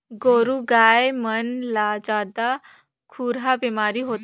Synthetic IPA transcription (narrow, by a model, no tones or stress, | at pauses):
ɡoːɾuɡaːemɐnlad͡ʒaːd̪a | kʰuːɾɦabeːmaːɾiɦoːt̪